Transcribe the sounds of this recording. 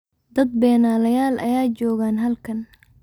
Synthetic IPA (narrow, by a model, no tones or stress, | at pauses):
d̪ɐd̪̚bɛːnaːlɐjaːlʔɐ̰jaːt͡ʃɔːɣaːnɦɐlkʰɐn